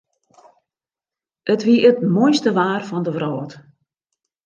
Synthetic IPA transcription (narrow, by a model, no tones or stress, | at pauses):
ətʋiəʔətmojstəʋaːrfɔndəʋrɔːt